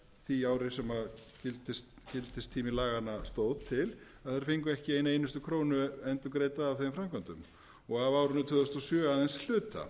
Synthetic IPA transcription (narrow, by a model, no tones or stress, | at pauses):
θiaːwɾɪsɛmacɪlt̪ɪst̪cɪlt̪ɪst̪ʰːiːmɪlaːɣanːast̪oːwðt̪ʰɪlaðθaɾ̥fɪŋkʏɛhcɪeːjnaeːjnʏst̪ʏkʰɾoːwnʏɛnt̪ʏkɾeːjt̪aːvθejmfɾamkant̪ʏm | ɔɣavaːwɾʏnːʏt̪ʰœːðʏst̪asjœːaðɛnsl̥ʏːt̪a̰